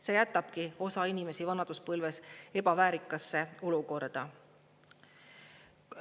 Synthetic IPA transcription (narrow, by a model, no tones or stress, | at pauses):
se̞ːjæt̪ːˑɑb̥kio̞sɑinime̞sivɑnɑd̪uspɤlvese̞b̥ɑvæːɾikːˑɑsːe̞o̞luko̞rd̪̥ɑ